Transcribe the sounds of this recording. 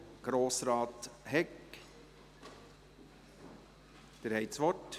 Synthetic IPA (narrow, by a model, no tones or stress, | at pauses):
ɡ̥ɾoːsɾɑːt̪hɛk | d̪̥eɾhɛɪtsʋɔt